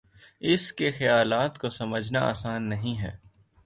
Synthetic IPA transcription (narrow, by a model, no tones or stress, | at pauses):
ɪskexɐjaːlaːt̪kosɐməd͡ʒʱnaa̰ːsaːnːɐɦĩɦɛ̰ː